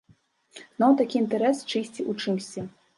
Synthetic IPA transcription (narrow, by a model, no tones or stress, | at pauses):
nawt̪akʲiint̪ɛɾɛst͡ʂɨsʲt͡sʲiʔut͡ʂɨmsʲt͡sʲɛ